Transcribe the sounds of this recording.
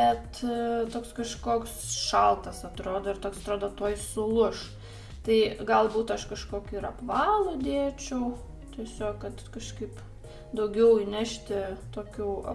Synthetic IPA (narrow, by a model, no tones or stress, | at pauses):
bɛt̪t̪oːkskɐʃkoːksʃɐlˠt̪ɐsɐt̪ɾoːd̪oːɪrɾt̪oːksɐt̪ɾoːd̪oːt̪oːjsʊlˠʊʃ | t̪ɐɪɡɐlˠbuːt̪ɐʃkɐʃkoːkʲʊɪɾɐpʋɑːlˠʊd̪ʲeːt͡ʃʲɛʊ | t̪ʲiɛsʲoːkkɐt̪kɐʃkɐɪp | d̪ɐʊɡʲɛʊinʲæʃʲt̪ʲɪt̪oːkʲuː